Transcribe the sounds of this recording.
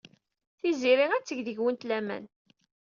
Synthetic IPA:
θiziɾiŋæt͡sːəʝðəʝwənt̪læmæ̰n

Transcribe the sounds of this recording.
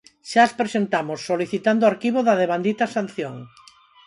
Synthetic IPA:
ʃaspɾesent̪amosːoliθit̪and̪ʊaɾkiβoðɐðeβand̪it̪ɐsan̟θjoŋ

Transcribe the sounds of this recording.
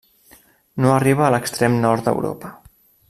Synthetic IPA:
noəriβ̞əːləkst̪ɾemnɔɾt̪d̪ə̰wɾo̰pə

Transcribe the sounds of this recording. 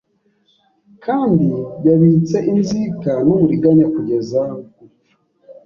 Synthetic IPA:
kʰaːndiɟaβit͡se̞ʔinzikanoβuɾiɡaɲakuɟe̞zaɡu

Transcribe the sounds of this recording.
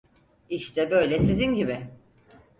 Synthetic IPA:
iʃt̪ʰɛbø̞jlʲɛsizinɟibɪ

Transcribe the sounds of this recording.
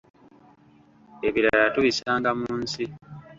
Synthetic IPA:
eβiɾaajatuβisaːŋɡamuːnsi

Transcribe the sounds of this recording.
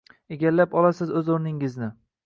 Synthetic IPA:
eɡʲalːapɒlasɪzɵzoɾnɪŋɪznɪ

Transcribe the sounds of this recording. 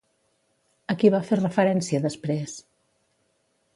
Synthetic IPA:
əkiβaferəfəɾɛnsiəðəspɾes

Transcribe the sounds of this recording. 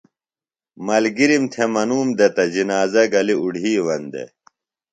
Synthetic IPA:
mɐlɡiɾimt̪ʰemɐnuːmd̪et̪ɐd͡ʑinaːzɐɡɐliuɖʱiːwɐnd̪ḛ

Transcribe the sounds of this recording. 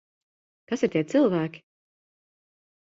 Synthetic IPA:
kasiɾt̪iɛt̪sɨlˠvæːkʲi̥

